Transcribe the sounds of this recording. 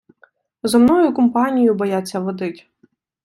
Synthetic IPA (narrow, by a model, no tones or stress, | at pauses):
zɔmnɔjʊkɔmpɑnʲijʊbɔjat͡sʲːɐʋɔd̪ɪtʲ